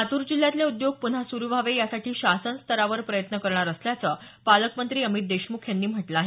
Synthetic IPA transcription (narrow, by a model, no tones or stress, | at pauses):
at̪uːɾd͡ʑil̤ːjat̪ljeud̪joɡ̚pun̤ɦasuɾuʋʱaʋejasaʈʰiːɕasənst̪əɾaʋəɾpɾəjət̪nəkəɾɳaɾəsljat͡sə | paləkmənt̪ɾiːəmit̪̚d̪eɕmukʰjanːiːm̤əʈləaːɦe